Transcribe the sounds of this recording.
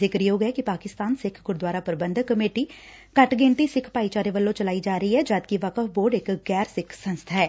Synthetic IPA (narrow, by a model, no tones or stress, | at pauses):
ɪkɾioːɡɛːkɪpaːkɪst̪aːnsɪkʰɡʊɾd̪waːɾaːpəɾbənd̪kːəmeːʈiː | kəʈɡẽːnt̪iːsɪkʰpaːiːt͡ʃaːɾeːʋəlːõːt͡ʃəlaːiːd͡ʒaːɾəiːɦɛːd͡ʒaːd̪kɪʋəkəfboːɾɖɪkɡɛːɾsɪkʰsə̃nst̪ʰaːɦɛː